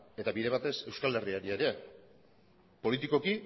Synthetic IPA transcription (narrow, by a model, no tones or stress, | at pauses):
e̞t̪aβiɾe̞β̞at̪e̞se̞wskald̪eriaɾieɾe̞ | po̞lit̪iko̞ki